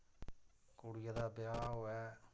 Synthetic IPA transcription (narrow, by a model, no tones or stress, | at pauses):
kʊɽɪjad̪aːbɪjaːɦoːɛː